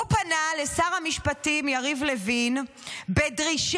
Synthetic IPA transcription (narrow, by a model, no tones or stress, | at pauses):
upanale̞saʁhamiʃpatimjaʁivlevin | bedʁiʃ